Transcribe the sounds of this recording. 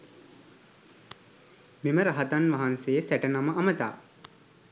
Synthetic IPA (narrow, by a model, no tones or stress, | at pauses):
meməɾaɦat̪anʋaɦansejəsæʈənaməʔɐmət̪a̰ː